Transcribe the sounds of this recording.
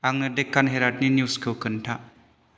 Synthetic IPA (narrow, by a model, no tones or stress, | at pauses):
aŋnədekːanɦeɾaʈninjuskʰəwkənʈʰa